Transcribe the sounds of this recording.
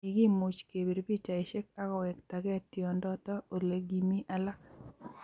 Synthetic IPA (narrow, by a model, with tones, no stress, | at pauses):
i˨ɡɪ˦mu˨t͡ʃke˨bi˨ɾbi˦t͡ʃa˨ɪ˨ʃe˦ka˦kɔ˨wɛ˨kta˨ɡɛ˦tjɔ˨ndɔ˦tɔ˦o˨le˨ɡi˨mi˦ʔa˦la˦k